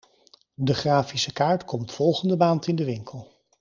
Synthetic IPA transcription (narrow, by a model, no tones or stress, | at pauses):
dəχraːfisəkaːɹtkɔmtfɔlˠχəndəmaːntɪndəʋɪŋkəlˠ